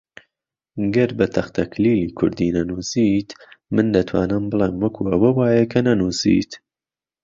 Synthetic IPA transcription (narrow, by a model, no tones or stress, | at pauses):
ɡɐɾbɐt̪ʰɐχt̪ʰɐkʰliːliːkʰʊ̰ɾd̪iːnɐnuːsit̪mɨnd̪ɐt̪ʰwa̰ːnɨmbɨlˠeːmwɐkʰuːʔɐwɐwaːjekʰɐnɐnuːsḭːt̪